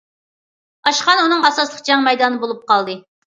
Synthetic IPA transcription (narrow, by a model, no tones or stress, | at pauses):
ɑʃqɑnunɨŋɑsɑslˠə̥q̚d͡ʒɑŋmɛjd̪ɑnɨbolˠup̚qɑlˠd̪ɨ